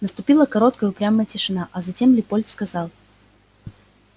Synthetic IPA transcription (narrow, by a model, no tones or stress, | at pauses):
nəst̪ʊpʲilˠəkɐɾo̞t̪̚kəjʊpɾʲaməjətʲɪʂɨnaʔɐzɐtʲe̞mlʲɪpolʲt̪skɐzɑlˠ